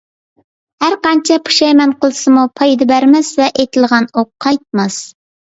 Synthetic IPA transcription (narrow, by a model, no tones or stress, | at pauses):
hæɾqɑnt͡ʃʰɛpʰu̥ʃɛjmɛnqəlˠɨsɨmupʰɑjd̪ɨbæɾmɛsvɛʔet̪ʰɪlˠʁɑnoqʰːɑjt̪̚mɑs